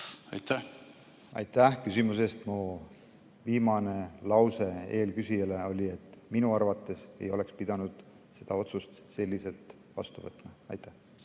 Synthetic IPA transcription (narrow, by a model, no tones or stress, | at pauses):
ɑ̰jt̪ːæ | ɑ̰jt̪ːˑæhkysʲimus̬e̞st̪mu | viːmɑne̞lɑwse̞e̞ːlkysijɑle̞o̞lʲie̞t̪ːˑminuɑrvɑt̪ːˑe̞se̞̰jo̞le̞kspid̪̥ɑnud̪̥ | se̞d̪̥ɑo̞t̪sust̪se̞lːise̞lt̪ | vɑ̰st̪uvɤt̪ːˑmɑɑ̰jt̪ːæh